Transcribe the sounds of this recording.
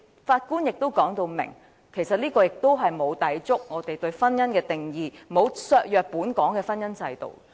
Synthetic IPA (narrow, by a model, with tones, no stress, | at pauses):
faː˧t̚kuː˥njɪ˨k̚t̪o˥wkɔː˨˥ŋt̪o˧wmɪ̰˨˩ŋ | kʰe˨˩jsɐ˨t̚liː˥kɔː˧jɪ˨k̚t̪o˥wɦɐ˨jmo˨˧wt̪ɐ˨˥jt͡sʊ˥k̚ŋɔː˨˧t̪e˨jt̪ɵ˧ɥfɐ˥njɐ˥nkɛː˧t̪ɪ˨˩ŋjiː˨˧mo˨˧wsœː˧k̚jœː˨k̚puː˨˥nkɔː˨˥ŋkɛː˧fɐ˥njɐ˥nsɐ˧jt̪o̰˨w